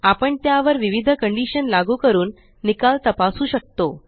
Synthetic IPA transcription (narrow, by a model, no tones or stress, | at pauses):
apəɳt̪jaʋəɾʋiʋid̪ʱəkəɳɖiɕənlaɡuːkəɾuːnː | ikalt̪əpasuːɕək̚t̪o